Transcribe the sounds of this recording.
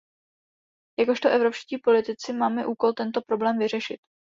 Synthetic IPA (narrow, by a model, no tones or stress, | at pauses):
jako̞ʃt̪oʔɛvɾo̞pʃciːpo̞lɪt̪ɪt͡sɪmaːmɛʔuːko̞lt̪ɛnt̪o̞pɾo̞blɛːmvɪr̝ɛʃɪt̪